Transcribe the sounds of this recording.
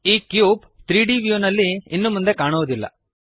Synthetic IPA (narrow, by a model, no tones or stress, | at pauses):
iːkjuːp | t̪ɾiːɖiːʋjunɐlːiːnːumund̪e̞kaːɳoʋd̪ilːɐ̰